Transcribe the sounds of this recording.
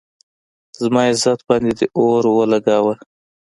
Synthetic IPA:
zmɑɪzat̪̚bɑnd̪ed̪əʔoɾwəlaɡɑwəl

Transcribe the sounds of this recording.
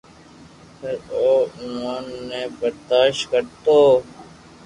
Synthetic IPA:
pʰɪɾoːmoːnːeːbəɾd̪aːʃkəɾt̪oː

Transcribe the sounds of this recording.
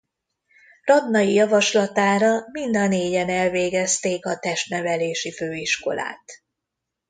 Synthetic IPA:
rɒd̪nɒjijɒvɒʃlɒt̪aːɾɒmind̪ɒneːɟɛnɛlveːɡɛst̪eːkɒt̪ɛʃt̪nɛvɛleːʃiføːiʃko̞̰la̰ːt̪

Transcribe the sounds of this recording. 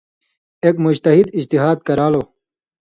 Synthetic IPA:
eːkmud͡ʑt̪ɐɦid̪id͡ʑt̪iɦaːd̪̚kɐɾaːloː

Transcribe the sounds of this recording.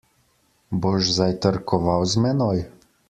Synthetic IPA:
boʒzajt̪əɾkʰɔʋawzmɛnɔj

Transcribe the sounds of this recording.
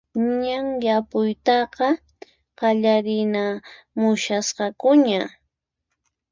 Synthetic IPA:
ɲaŋjapʊjt̪ɑqɑ | qɑʎaɾɪna | mʊʃasqɑkʊɲa

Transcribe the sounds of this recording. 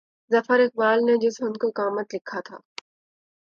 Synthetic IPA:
zɐfəɾɪk̚baːlned͡ʒɪsɦʊnkokaːmət̪lɪkʰːat̪ʰa̰ː

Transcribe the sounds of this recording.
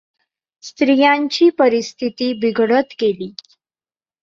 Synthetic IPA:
st̪ɾijaɲt͡ɕiːpəɾist̪ʰit̪iːbiɡʱɽət̪keliː

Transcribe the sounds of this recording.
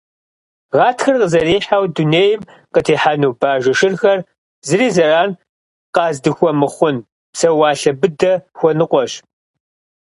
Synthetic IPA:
ʁɑːtxɐrqəzɐɾiːħawduneːjɪm | qətʰeːħanuːbaːʒɐʃɪrxɐr | zɨriːzɐraːn | qɑːzdɨxʷɔmɨχʷʊn | psɐwɑːɬɐbɨdɐxʷɔnɨqʷɔɕ

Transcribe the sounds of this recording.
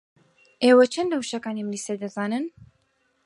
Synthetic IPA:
ʔeːwɐt͡ʃʰɐnlɐwʃɐkaːnimlisɐd̪ɐzaːnɨn

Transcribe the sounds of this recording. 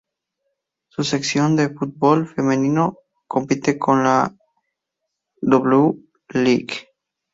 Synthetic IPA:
suseksjond̪efut̪̚bolfemẽnĩno | kompit̪ekõnla | d̪oβleu | liɡ

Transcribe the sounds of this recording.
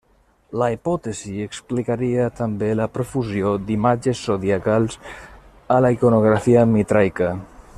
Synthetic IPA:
laipɔt̪ezieksplikaɾiat̪ambelapɾofuzjod̪imad͡ʒesːoðiakalˠz | alaikonoɣ̞ɾafiamit̪ɾajka

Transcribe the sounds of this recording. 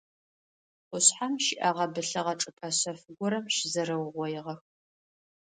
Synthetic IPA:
qʷʊɕħamʃɪʔɐʁɐbɨɬɐʁɐʈ͡ʂʼɨpʼɐɕɐfɨɡʷɔɾɐmʃɪzɐɾɐwʁʷɔjɪʁɐx

